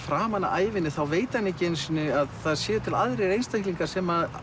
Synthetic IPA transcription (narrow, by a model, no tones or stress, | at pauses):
fɾaːmanːa̰ʔaːjvɪnːɪθawveːjt̪ɪanːɛcːɪejnsɪnːʏaðθaðsjɛːʏt̪ʰɪlaðɾejɾejnst̪ahkliŋkasɛma